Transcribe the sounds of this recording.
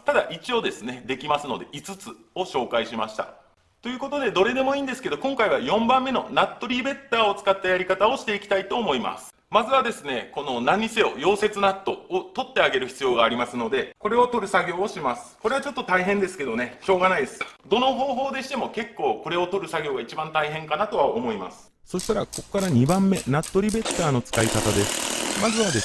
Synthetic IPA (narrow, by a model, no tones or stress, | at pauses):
t̪ad̪aʔit͡ɕio̞ːd̪e̞sɨne̞d̪e̞kʲimasɨno̞̰d̪e̞ʔit͡sɨt͡sɨ | o̞ɕo̞ːkaiɕima̰ɕi̥t̪a̰ | t̪o̞jɯ̟ːko̞t̪od̪e̞d̪o̞ɾe̞d̪e̞mo̞ĩːnd̪e̞sɨ̥ke̞d̪o̞kõ̞ŋkaiβajõ̞mbãmːe̞no̞nat̪ːo̞ɾʲibe̞t̪ːaːo̞t͡sɨ̥kat̪ːajaɾʲikat̪ao̞ɕi̥t̪e̞ikʲi̥t̪ait̪o̞ːmo̞ima̰sɨ̥ | mazɨβad̪e̞sɨne̞ko̞no̞nãɲ̟ːiseo̞jo̞ːse̞t͡sɨnat̪ːo̞ot̪o̞t̪ːe̞aɡe̞ɾɯ̟çi̥t͡sɨjo̞ːɡaːɾʲimasɨno̞d̪e̞ko̞ɾe̞o̞t̪o̞ɾɯ̟saɡʲo̞ːɕimasɨ̥ko̞ɾe̞βat͡ɕo̞t̪ːot̪aiɦẽnd̪e̞sɨ̥ke̞d̪o̞ne̞ɕo̞ːɡanaid̪e̞sɨ̥d̪o̞no̞ɦo̞ːɦo̞ːd̪e̞ɕi̥t̪emo̞ke̞kːo̞ːko̞ɾe̞o̞t̪o̞ɾɯ̟saɡʲo̞ːɡait͡ɕibãnt̪aiɦẽ̞ŋkanat̪o̞βaomo̞ima̰sɨ̥ | so̞ɕi̥t̪aɾako̞ko̥kaɾaɲ̟ibãmːe̞nat̪ːo̞ɾʲibe̞t̪ːaːno̞t͡sɨ̥kaikat̪ad̪e̞sɨ̥mazɨβad̪e